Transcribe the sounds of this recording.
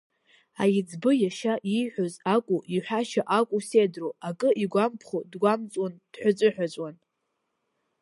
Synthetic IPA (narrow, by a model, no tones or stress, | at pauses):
a̰jɪd͡zbɨjaʃaʔijħʷᶣozakʷʼuʔiħʷᶣaʃaʔakʷʼusedroakʼɨʔiɡʷampʰχodɡʷamt͡sʼand̥ħʷᶣʊt͡sʷʼɨħʷᶣat͡sʷʼwan